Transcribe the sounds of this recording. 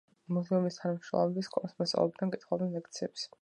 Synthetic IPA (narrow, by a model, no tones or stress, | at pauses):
muzɛumist̪ʰanamʃɾɔ̰mɛbiskʰʼɔnsmɛsa̰lɔ̰b̚d̪aŋkʼit̪ʰχwɔbɛnlɛk̚ʰt̪sʰiɛps